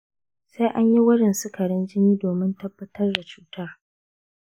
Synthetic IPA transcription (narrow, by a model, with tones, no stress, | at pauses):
se˦ʔa˦ɲji˦wʊ˦ɽɪ˨nsʊ˦kʰɐ˨ɽɪ˦nd͡ʒɪ˦niː˦doː˨mɪ˦ntɐ˦bːɐ˦tɐ˦rda˨t͡ʃuː˦taː˦